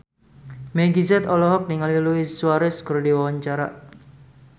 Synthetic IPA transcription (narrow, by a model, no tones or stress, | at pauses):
meɡizɛt̪ɔlɔɦɔk̚niŋaliluisuaɾɛskɨrdiwawaɲt͡ʃaɾa̰ʔ